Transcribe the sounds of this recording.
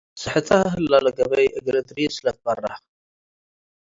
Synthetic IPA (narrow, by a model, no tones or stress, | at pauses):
sɨħɨt̪ʰaɦɨlːalɐɡɐβɐjʔɨɡɾɐd̪ɾisɨlɐt̪̚bɐrːaħ